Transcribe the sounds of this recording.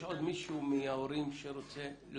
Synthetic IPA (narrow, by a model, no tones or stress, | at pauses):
ʔod̪miʃumiaoɾimʃeɾot͡sel